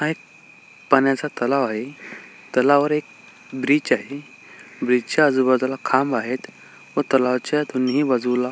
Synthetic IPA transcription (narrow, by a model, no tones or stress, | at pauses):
aɦek̚ | pənjat͡sat̪əlaʋaɦe | t̪əlaʋəɾek̚ | bɾiːt͡ɕaɦe | bɾid͡ʑt͡ɕaəd͡zubəd̪lakʰambaɦet̪ | ʋət̪əlaʋt͡ɕt̪unːɦiːʋəd͡zuʋla